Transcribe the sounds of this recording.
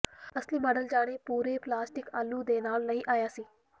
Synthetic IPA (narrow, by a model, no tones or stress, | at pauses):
ɐsliːmɐɖəld͡ʒaːɽ̃epuːɾeplaːsʈɪkalːud̪eːnaːlnɐɦĩʔaːjaːsiː